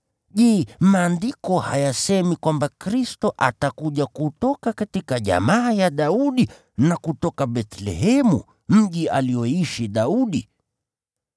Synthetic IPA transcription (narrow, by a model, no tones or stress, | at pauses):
ʄɛːmaːndikɔhajasɛmikwambakɾistɔʔatakuʄakutɔkakatikaʄa̰maːjaɗauɗi | nakutɔkaɓɛt̪lɛ̰ɦɛmṵ | m̩ʄialijɔiʃiɗauɗi